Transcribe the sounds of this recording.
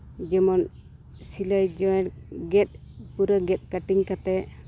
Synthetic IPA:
d͡ʒɛmɔn | silajd͡ʒɔɛɽɡɛt̪̚ | puɾəɡɛt̪̚kaʈiŋkat̪ɛ

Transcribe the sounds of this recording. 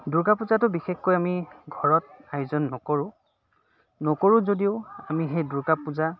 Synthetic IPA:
duɹkapuzatʊbixexkojamiɡʱɔɹɔt̚ajʊzɔnːɔkoɹʊ̃ | nɔkoɹʊ̃zodiʊamiɦejduɹkapuza

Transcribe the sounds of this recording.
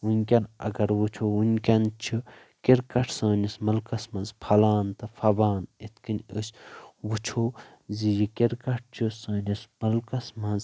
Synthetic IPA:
unʲkʲɐnɐ̰ɡɐɾʋut͡ʃʰounʲkʲɐnt͡ʃʰi | kiɾkɐʈʰsɐːnʲismɐlkɐsmɐ̃nzpʰɐlaːnt̪ɐfʰɐbaːnit̪ʰkinʲəsʲwut͡ʃʰoː | zijikiɾkɐʈ̚ʰt͡ʃʰusɐːnismɐlkɐsmɐnz

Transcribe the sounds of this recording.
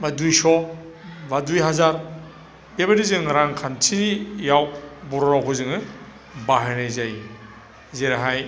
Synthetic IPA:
madujsɔ | badujɦazaɾ | bebaɾizɯŋɾaŋkʰantʰinijawbɔɾɔɾawkʰɯzɯŋɯ | baɦenazaj | zeɾaɦaj

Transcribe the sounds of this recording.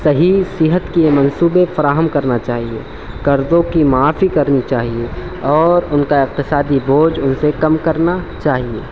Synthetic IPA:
sɐɦisɪɦət̪kiemɐ̃nsuːbefɐɾaːɦəmkɐɾnat͡ʃaːɦiḛ | kɐɾzõkimaːfikɐɾnit͡ʃaːɦie | ɔːɾʊnkaɪq̚t̪ɪsaːd̪iboːd͡ʒʊnsekɐmkɐɾnat͡ʃaːɦiḛː

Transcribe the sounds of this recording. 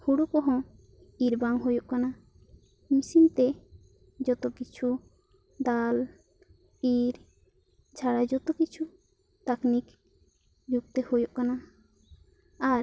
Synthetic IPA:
huɽukɔɦɔ̃ | iɾbaŋɦojoʔkana | misimt̪ɛ | d͡ʒɔt̪ɔkit͡ʃʰu | d̪al | iɾ | d͡ʒʱaɽad͡ʒɔt̪ɔkit͡ʃʰu | t̪aknik | d͡ʒuɡ̚t̪ɛhojoʔkana | aɾ

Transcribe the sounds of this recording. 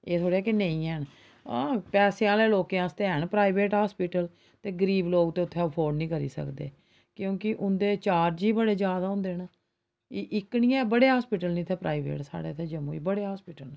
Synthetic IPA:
eːt̪ʰoːɽeɛːkenẽĩːɛːnː | pɛːseãːleːloːkejãːst̪eːɦəɳpɾaːibeːʈɦaːspiːʈəl | t̪eːɡəɾiːbloːɡt̪eːʊt̪ʰːeːəpʰoːɾɖnĩːkəɾḭːsə̰kd̪ḛː | kjõːkɪʔʊnd̪eːt͡ʃaːɾd͡ʒiːbəɽeːd͡ʒjaːd̪aːʊ̃nd̪eːɦna | iʔɪknĩːɛːbəɽeːɦaːspiːʈəlnĩːt̪ʰɛːpɾa̰ːiʋḛːʈsa̰ːɽḛːt̪ʰeːd͡ʒəmuːḭːbəɽeːɦaːspiːʈəl

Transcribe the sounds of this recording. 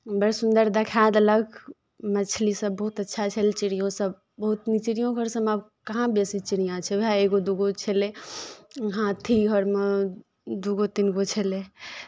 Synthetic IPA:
bəɾsund̪əɾd̪ekʰad̪ələɡ | mət͡ʃʰlisəbːəɦut̪ətːʃʰat͡ʃʰəlt͡ʃiɽijõsəb̚ | bəɦut̪nit͡ʃiɽijõkəɾsə̃mab | kəɦãbesit͡ʃiɽijãt͡ʃʰɛbʱaeɡod̪uɡot͡ʃʰele | ɦãt̪ʰiɦɔɾmə | d̪uɡot̪inɡot͡ʃʰele

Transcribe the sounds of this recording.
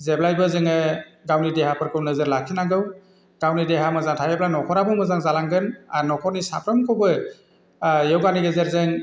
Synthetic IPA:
zeblajbɯzɯŋɯɡawnideɦapʰɯɾkʰɯwnɯzɯɾlakʰinaɡɯw | ɡ̥awnideɦamɯzaŋtʰajeblajnɔkʰɔɾabʰɯmɯzaŋzalaŋɡɯnanɔkʰɔɾnisa̰pʰɾɯmkʰɔbɯ | jewɡaniɡezeɾzɯŋ

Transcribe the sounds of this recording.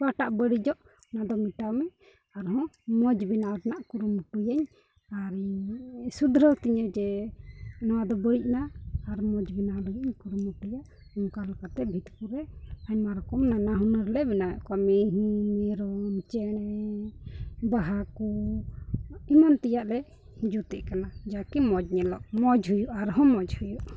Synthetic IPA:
baʈaʔbəɽid͡ʒɔʔ | nad̪ɔmiʈawmɛ | aɾɦɔ̃mɔd͡ʒbinaɾɛnaʔkuɾumuʈujaɲ | aɾisud̪ɾət̪iɲəd͡ʒɛ | nɔwad̪ɔbəɽic̚naːɾmɔd͡ʒbinaləɡɛɲkuɾumuʈujaʔ | ɔŋkalkat̪ɛbʱit̪kuɾɛaɲmaɾɔkɔmnanaɦunəɾlɛbinajɔʔkamiɦɛɾɔmt͡ʃɛɛ | baɦaku | imant̪ɛjaʔlɛ | d͡ʒut̪ɛʔkanad͡ʒakimɔd͡ʒɲɛlɔʔmɔd͡ʒɦujuʔaɾɦɔ̃mɔd͡ʒhujuʔ

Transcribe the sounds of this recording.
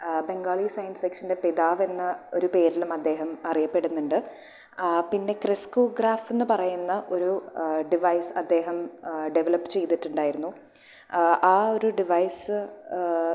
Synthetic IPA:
be̞ŋɡaːɭiːsɐjɐnsfikʂɐnde̞piðaːʋe̞nːɐo̞ɾupe̞ːɾilumɐd̪ːe̞ːɦɐmɐrijɐpːe̞ɽunːuɳɖɨ | pinːe̞kriskoːɡraːfenːɨpɐrɐjunːɐʔo̞ɾuɖiʋɐjsɐd̪ːe̞ːɦɐmɖeʋɐlɐpːɨ̥t͡ɕe̞jt̪iʈːuɳɖaːjiɾunːu | aːo̞ɾuɖiʋɐjsɨ

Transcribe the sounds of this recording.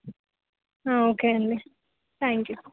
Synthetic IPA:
aokeə̃nli | t̪æ̃ŋkju

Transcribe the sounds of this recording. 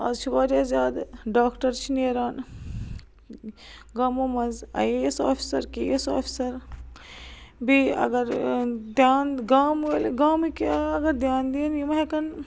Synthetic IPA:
a̰ːzt͡ʃʰiʋaːɾiaːzʲaːd̪ɖaːkʈɐɾt͡ʃʰineːɾaːn | ɡaːmomɐnzɐ̰jesa̰ːpʰi̥sɐɾkeːesa̰ːpʰi̥sɐɾ | bʱiɐ̰ɡɐɾd̪jaːnɡaːmelɡaːmikaɐɡɐɾd̪jaːnd̪iːnjimɦekɐn

